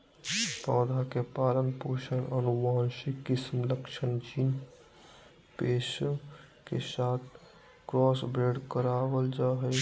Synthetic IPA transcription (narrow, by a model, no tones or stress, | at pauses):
pɔːd̪ʱakepaːlənpoʃənənuʋaːnsekɪsmləkʃʰənt͡ʃin | peːs | kḛsaːt̪ʰ | kɾɔːsbɾeːɖkəɾabəld͡ʒaːɦə